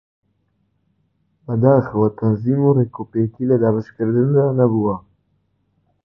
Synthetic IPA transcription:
bɐd̪aːxɨwat̪ʰɐnziːmuɾeːkʰopeːkiləd̪aːbɨʃkɨɾd̪ɨnd̪aːnɐbuwa

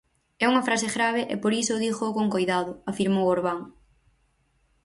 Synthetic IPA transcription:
ɛuŋɐfɾasɪɣɾaβ̞ɪʔepoɾisʊðixokoŋkojðaðʊafiɾmowoɾβaŋ

